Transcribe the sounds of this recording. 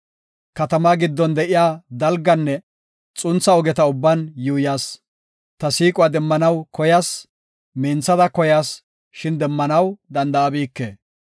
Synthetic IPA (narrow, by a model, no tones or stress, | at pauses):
kɐt̪ɐmaɡɪd̪ːɔnd̪ɛʔɪjaːd̪ɐlɡːɐnːɛ | t͡sʼʊnt͡sːɐɔɡɛt̪ɐʊbːɐnjuːjaːs | t̪ɐsiːkʼʊad̪ɛmːɐnɐwkɔjaːs | mɛːnt͡sːɐd̪ɐkɔjaːs | ʃɪnd̪ɛmːɐnɐwd̪ɐnd̪ɐɐbiːkːḛː